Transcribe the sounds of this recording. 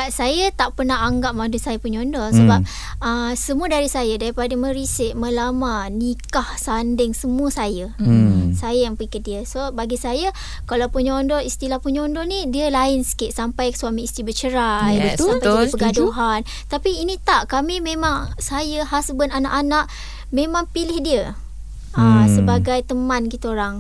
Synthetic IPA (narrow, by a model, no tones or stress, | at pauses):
asajat̪aʔpərnaɦaŋɡaʔ̚madusajapuɲɔndɔsəbap̚ | əsəmũədaɾisajadaɾipadəmə̃ɾisɪʔməlamanikahsandɪŋsəmũəsajəsajajampəikədiəsobaɡisaja | kalawpuɲaːndɔist̪ilahpuɲondɔnidiəlaɪnsə̥kɪʔsampajsuamiist̪ibət͡ʃəɾajəsampapəɡaduɦan | t̪apiːnĩt̪aʔkamimẽmaŋsajəɦasbənana̰ʔanaʔ | mẽmaŋpilɪhdiə | asəbaɡajt̪əmãnɡit̪oɾaŋ